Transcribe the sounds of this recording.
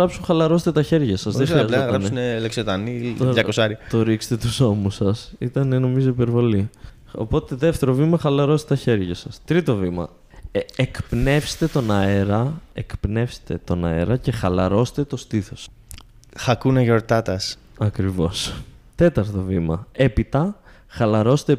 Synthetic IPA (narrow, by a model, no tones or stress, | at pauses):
ɾɐpsunxɐlɐɾos̬t̪et̪ɐçe̞ɾʝɐsɐzðexɾiɐzlɣɐnsuneleksot̪ɐnit̪oɐkosɐɾiɐt̪o̞ɾikst̪et̪uso̞musɐsit̪ɐneno̞mizoipe̞ɾvo̞li | o̞̰po̞t̪e̞ðe̞ft̪e̞ɾo̞vimɐxɐlɐɾost̪t̪ɐçe̞ɾʝɐsɐst̪ɾit̪o̞vimɐ̰ | ekpne̞fst̪e̞t̪o̞nɐeɾɐekpne̞fst̪e̞t̪o̞nɐ̰e̞̰ɾɐce̞xɐlɐɾo̞st̪e̞t̪o̞st̪iθo̞s | xɐkunɐʝo̞ɾt̪ɐt̪ɐs | ɐkɾivo̞st̪e̞t̪ɐɾt̪o̞vimɐe̞pit̪ɐ | xɐlɐɾost̪e